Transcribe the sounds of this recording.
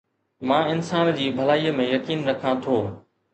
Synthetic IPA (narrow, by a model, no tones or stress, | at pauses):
mãːɪnsaːnd͡ʑiːbʱɐlaːiːəmẽjɐkiːnːɐkʰãt̪ʰoː